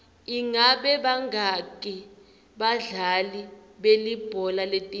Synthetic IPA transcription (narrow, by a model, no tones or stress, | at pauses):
iŋaɓɛɓaŋɡakʼi | ɓaɮaliɓelib̥ʱɔlaletʼi